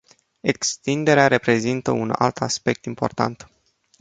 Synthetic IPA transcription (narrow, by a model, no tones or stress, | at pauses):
e̞kst̪ind̪e̞ɾeaɾe̞pɾe̞zint̪əuna̰lt̪ʰaspe̞k̚t̪impo̞̰rt̪a̰nt̪